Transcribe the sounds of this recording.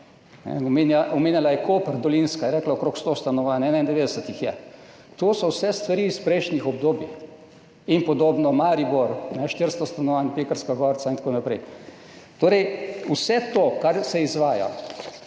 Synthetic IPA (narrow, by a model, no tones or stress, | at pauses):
nɛ̰ɔmenjaɔmeːnjalajɛkoːpəɾd̪ɔlinskajɛɾɛːklaokɾoːkst̪oːst̪anɔʋaːnɛːnaind̪ɛʋeːd̪ɛsət̪ixjɛ | t̪oːsɔwsɛst̪ʋaɾiːspɾɛjʃnixɔb̚d̪oːbjix | inpɔd̪oːbnɔmaːɾiboɾnɛʃt̪iɾst̪ɔst̪anɔʋaːnpeːkəɾskaɡɔːɾt̪saint̪akoːnapɾɛj | t̪oːɾɛjusɛt̪oːkaɾsɛizʋaːja̰